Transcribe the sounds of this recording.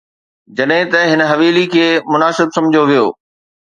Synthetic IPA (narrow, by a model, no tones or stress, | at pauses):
d͡ʑɐɗɦɪ̃t̪ɐɦɪnɦɐʋiːlikʰeːmʊnaːsɪbsɐ̃md͡ʑʱoʋijoː